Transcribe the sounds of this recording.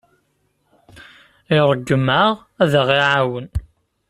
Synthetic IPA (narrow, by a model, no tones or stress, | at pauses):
ɪɾˤəɡːəmaʁ | æðəʁiʕawən